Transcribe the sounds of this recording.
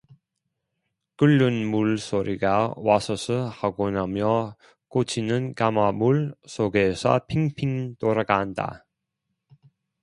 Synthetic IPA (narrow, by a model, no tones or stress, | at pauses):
kɯʎːunmuɭsʰoɾiɡawasʰʌsʰɯhaɡonamjʌ | k͈ot͡ɕʰinɯnkamamuɭsoɡesʰʌ̰pʰiŋpʰiŋtoɾaɡaɦanda̰